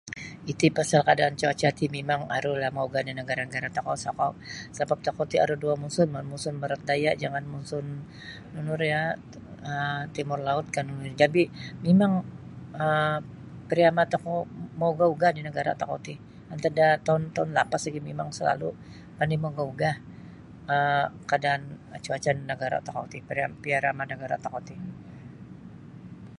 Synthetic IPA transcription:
it̪ipasalkadaːnt͡ʃaat͡ʃat̪imemaŋa̰ɾulahmauɡadinəɡaɾanəɡaɾat̪akɔʔsakɔʔsabap̚t̪akot̪ia̰ɾuduamunsʊnmmunsʊnməɾat̪̚dajaʔd͡ʒaŋanmunsʊnː | unʊrja | ət̪imʊrlaʊt̪̚kanunʊrd͡ʒabimemaŋə | pəɾiamat̪akomauɡauɡahdinəɡaɾa̰t̪akot̪i | ant̪adat̪aʊnt̪aʊnlapaslaɡimemaŋsəla̰lu | panimaɡauɡah | əkadaːn | at͡ʃuat͡ʃannəɡaɾa̰t̪ako̰t̪ipəɾiapiaɾamanəɡaɾat̪akot̪i

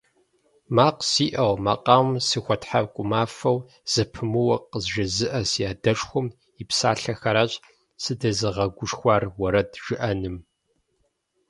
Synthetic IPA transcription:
maːqsiːʔɐʁmaqʼɑːwmsɨxʷɐtħabkʷʼʊmaːfɐw | z̥ɐpʰɨmɨwɐqəzʒɐzɨʔɐsjaːdɐʂxʷʊm | ipsaːɬɐxɐɾaːɕʼ | sɨdɐzɨʁɐɡʷʊʃxʷɑːrwɐɾɐdʒ̥ɪʔɐnɨm

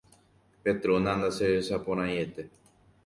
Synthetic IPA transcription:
pet̪ɾunãnd̪asesapoɾ̃ãjet̪e

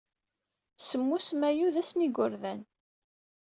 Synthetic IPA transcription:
səmːusmæjuðæsniɡʊɾðæn

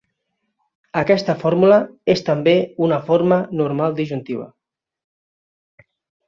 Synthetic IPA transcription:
əkɛst̪əfoɾmuləest̪əmbeunəfoɾmənuɾmalˠd̪iʒunt̪iβ̞ə̰

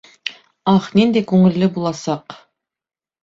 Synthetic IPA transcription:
ɑχnind̪ekʉŋɘ̆lːɘbulˠɑsɑq

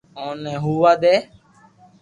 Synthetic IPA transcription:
oːnɛ̃ːɦuːʋaːd̪eː

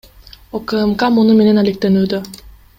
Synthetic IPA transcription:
okəemkamunume̞ne̞nalek̚t̪enyːd̪ø

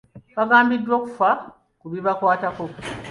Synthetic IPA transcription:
βaɡaːmbidːwo̞ːku̥fa | kuβiβakwaːtako̞

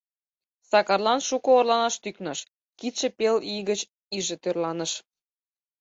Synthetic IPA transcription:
sɑkɑrlɑnʃukɤorlɑnɑʃt̪yknəʃ | kit̪ʃĕpeliɣət͡ɕ | iʒĕt̪ørlɑnəʃ

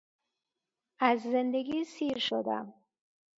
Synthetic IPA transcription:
æzzend̪eɡiːsiːɾʃod̪æ̰m

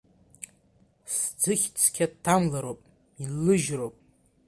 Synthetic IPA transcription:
sd͡zɨχʲt͡sʰkʲʰadtʰːamlaɾopʼ | ilːɨʒrowpʼ

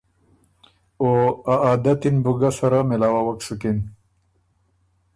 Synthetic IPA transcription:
oaaːd̪at̪inbuɡasaɾamɪlɑːwawɐksukin

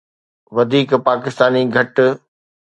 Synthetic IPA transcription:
ʋɐd̪ʱiːkpaːkɪst̪aːniɡʱɐʈ

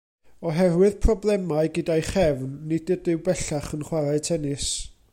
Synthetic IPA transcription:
ɔɦɛrwɪðpʰrɔblˠɛmaɨɡədajχɛvnːɪdədɪwbɛɬaχənχwaɾaɨtʰɛnɪs

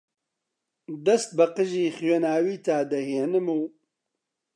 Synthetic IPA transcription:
d̪ɐst̪̚bɐqɨʒiːxwenaːwiːt̪aːd̪ɐheːnɨmuː

